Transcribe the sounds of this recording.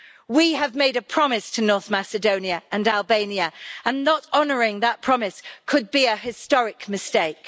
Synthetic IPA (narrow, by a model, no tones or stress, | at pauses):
wiəvmeɪɾəpʰɹ̥ɒmɪstʰənɔɹθmasɨdõʊ̃njəʔə̃nalˠbẽɪ̃niəə̃nːətɒnəɹɪ̃ŋðəʔ̚pʰɹ̥ɒmɪskʰəd̚biəɦɪstɒɹɪkmɨsteɪk